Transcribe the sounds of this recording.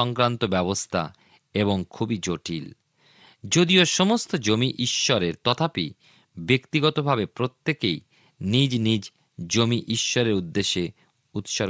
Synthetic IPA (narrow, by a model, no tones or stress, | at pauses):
ɔŋkɾant̪obɛbost̪ʰa̰ | eboŋkʰubid͡ʑoʈʰḭl | d͡ʑod̪ioʃomost̪od͡ʑomiʔiʃːɔɾeɾt̪ɔt̪ʰapḭ | bekt̪iɡɔt̪obʱabepɾot̪ːekej | nid͡ʑnid͡ʑ | d͡ʑomiʔiʃːɔɾeɾud̪ːeʃːe | ut̪ʃɔɾ